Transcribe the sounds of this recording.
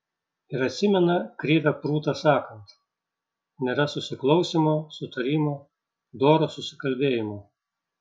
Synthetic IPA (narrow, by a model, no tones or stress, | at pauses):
ɪɾɐt̪ʲsʲɪmʲɛnɐkɾʲiːʋʲɛpɾuːt̪ɐsɑːkɐnt̪ | nʲeːɾɐsʊsʲɪklˠɐʊsʲimosʊt̪ɐɾʲiːmoː | d̪oːɾoːsʊsʲɪ̥kɐlʲbʲeːjɪmoː